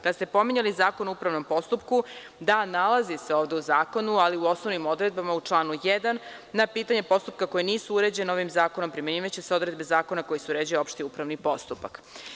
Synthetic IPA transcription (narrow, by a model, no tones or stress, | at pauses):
kad̪ast̪e̞po̞miɲalizaːkonuupɾaʋno̞mpo̞st̪upku | d̪analazise̞o̞ːʋd̪e̞uzaːko̞nualiuo̞snoʋnimo̞d̪ɾed̪̚bamaut͡ʂlˠaːnujɛd̪anːapiːt̪aɲe̞po̞st̪up̚kako̞jiniːsuuɾe̞d͡ʑeneo̞ʋimzaːko̞no̞mpɾimeniːʋat͡ɕeseo̞d̪ɾe̞d̪be̞zaːko̞nako̞jisuuɾed͡ʑujeo̞pʃt̪iupɾaʋnipo̞st̪upa̰k